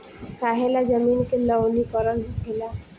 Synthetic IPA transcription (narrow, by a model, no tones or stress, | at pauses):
kaɦelad͡ʒəminkelɔnikɔɾɔnbʱkʰela